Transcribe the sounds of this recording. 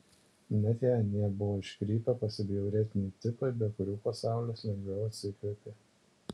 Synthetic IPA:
nʲɛt̪ʲɛɐnʲiɛbʊʋoːɪʃʲkɾʲiːt̪ɐpɐsʲɪbʲɪɛɾʲɛt̪ʲɪnʲɛɪt̪ʲɪpɐɪbʲɛkʊɾʲuːpɐsɑˑʊlʲoːsʲlʲɛŋʲɡʲɛjoɐt̪ʲsʲɪkʲɾʲɪpʲe

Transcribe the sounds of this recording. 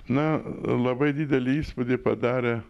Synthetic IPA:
nɐlˠɐbɐɪd̪ʲiːd̪ʲɛlʲɪiːspʊd̪ʲɪpɐd̪ɑːɾʲe

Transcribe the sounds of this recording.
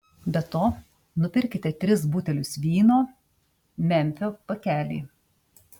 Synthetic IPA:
bʲɛt̪oː | nʊpʲɪɾʲkʲɪt̪ʲɛt̪ʲɾʲɪs̬buːt̪ʲɛlʲʊsʋʲiːnoː | mʲɛmʲfʲoːpɐkʲæːlʲḭː

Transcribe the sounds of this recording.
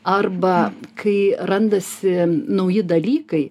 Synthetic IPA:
ɐrbɐkʰɐɪrɐnd̪ɐsʲɪnɐʊjɪd̪ɐlʲiːkɐɪ

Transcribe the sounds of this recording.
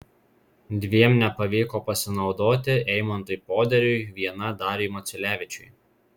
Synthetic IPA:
d̪ʲʋʲiɛmnʲɛpɐʋʲiːkoːpɐsʲɪnɒʊd̪oːt̪ʲɪʔɛɪmɐnt̪ʊɪpoːd̪ʲɛɾʲʊɪʋʲiɛn̪ɐd̪ɑːɾʲeːmɐt̪sʲʊlʲæːʋʲɪt͡ʃʲʊɪ

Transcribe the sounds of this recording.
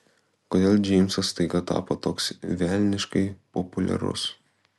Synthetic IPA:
koːd̪ʲeːlˠd͡ʒʲɛɪmʲsɐst̪ɐɪɡɐt̪ɑ̰ːpot̪oːksʋʲælʲnʲɪʃkɐɪpɔpʊlʲɛ̰ɾʊ̰s

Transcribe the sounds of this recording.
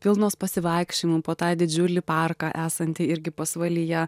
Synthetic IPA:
pʲɪlˠnoːspɐsʲɪʋɐɪkʃʲt͡ʃʲɪmupoːt̪ɑːd̪ʲɪd͡ʒʲʊlʲɪpɑrkɑʔæːsɐnʲt̪ʲɪɪɾʲɡʲɪpɐsʋɐlʲɪjɛ

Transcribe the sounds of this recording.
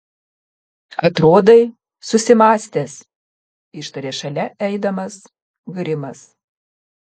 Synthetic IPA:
ɐt̪ɾoːd̪ɐɪ | sʊsʲɪmɑːsʲt̪ʲeːs | ɪʃt̪ɐɾʲeːʃɐlʲɛɛɪd̪ɐmɐs | ɡɾʲɪmɐs

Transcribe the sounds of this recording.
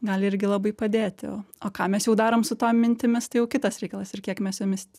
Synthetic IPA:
ɡɐlʲɪɾʲɡʲɪlˠɐbɐɪpɐd̪ʲeːt̪ʲɪo̰ːoːkɑːmʲɛsjɛʊd̪ɑːɾoːmsʊt̪oːmmːʲɪnʲt̪ʲɪmʲɪst̪ɐɪjɛʊkʲɪt̪ɐsɾʲɛɪkɐlˠɐsɪrkʲiɛkmʲɛsjoːmʲɪs

